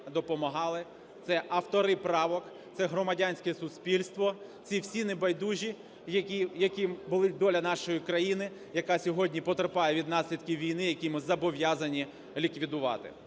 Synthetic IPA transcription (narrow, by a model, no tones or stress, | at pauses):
d̪ɔpɔmɐɦɑlˠɪ | t̪sɛʔɐwt̪ɔɾɪpɾɑʋɔk | t̪sɛɦɾɔmɐdʲanʲsʲkɛsʊsʲpʲilʲst̪ʋɔt͡sʲiwsʲinebɐjd̪uʒʲi | jɐkʲijɐkʲibʊlˠɪd̪ɔlʲɐnɑʃɔjikɾɐjinɪ | jɐkɑsʲɔɦɔdʲnʲipɔt̪ɾɪpɑjɛʋʲid̪nɑsʲlʲid̪kʲiwʋʲijnɪjɐkʲimɪzɐbɔʋʲjazɐnʲi | lʲikʋʲid̪ʊʋɑ̰t̪ɪ̰